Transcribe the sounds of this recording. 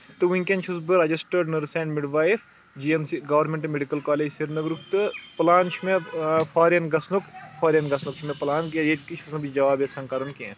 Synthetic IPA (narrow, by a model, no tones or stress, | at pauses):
t̪ɨʋĩŋkʲẽnt͡ʃʰusbɨɾɐd͡ʒisʈɐɾɖnɐɾsẽːɳɖmiɖʋaːif | d͡ʒiːemsiɡɐʋɐɾmẽɳʈmeɖikɐlkaːleːd͡ʒsiɾnɐɡɾuk̚t̪ɨpɐlaːnt͡ʃʰimepʰaːɾijɐnɡɐsnukpʰaːɾijɐnɡɐsnukt͡ʃʰimẽpɐlaːnked͡ʒet̪kit͡ʃʰusnɐbit͡ʃd͡ʒɐʋaːbjesɐŋkɐɾɐnkẽːn